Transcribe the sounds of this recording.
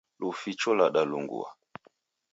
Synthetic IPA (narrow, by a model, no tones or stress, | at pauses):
lufit͡ʃɔlaɗaluŋɡṵa̰